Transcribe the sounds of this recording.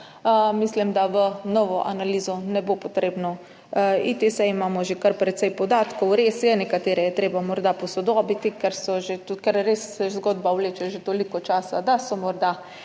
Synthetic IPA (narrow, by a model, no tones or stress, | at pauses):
əmislimd̪aʋənɔʋɔʔanaliːzɔnɛbopɔt̪ɾeːbnɔ | it̪isɛimaːmɔʒekaɾpɾɛt̪sɛjpɔd̪aːt̪kɔwɾesjɛnɛkat̪eːɾɛjɛt̪ɾeːbamɔɾd̪apɔsɔd̪ɔbit̪ikɛɾsɔʒet̪ukɛɾːesɛzɡɔːd̪bawleːt͡ʃɛʒet̪olikɔt͡ʃaːsad̪asɔmɔɾd̪a